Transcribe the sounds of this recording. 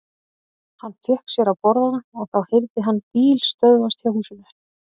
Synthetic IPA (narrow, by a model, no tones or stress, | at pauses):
hanːfjɪhksjɛɾaðpɔɾðanaɔɣθaðhɪjɾt̪ɪɦanːpiːlst̪œðvanst̪çawhuːsʏnɛ